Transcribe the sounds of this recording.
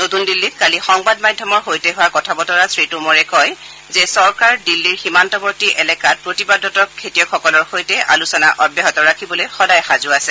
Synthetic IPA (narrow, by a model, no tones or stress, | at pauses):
notundilːitkalixɔŋbadmadʱjɔmɔɹxojtɛɦʊwakɔtʰabɔtɔɹasʰɹitumɔɹɛkɔj | zɛsɔɹkaɹdilːiɹximantɔbɔɹtiʔɛlɛkat̚pɹotibadɔtɔkʰːetijɔkʰɔkɔlɔɹxojtɛʔa̰lusɔna̰ʔɔbjɛɦɔtɔɹakʰibɔlojxɔdajxazʊasɛ